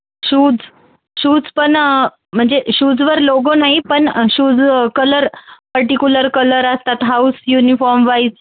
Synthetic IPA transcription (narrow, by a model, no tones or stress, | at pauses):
ɕuːd͡z | ɕuːd͡zpəɳ | m̤əɳd͡zeɕuːd͡zʋəɾloɡonaɦipəɳɕuːd͡zkələɾpəɾʈikʲjuləɾkələɾəst̪at̪ɦausjunifɔɾmʋais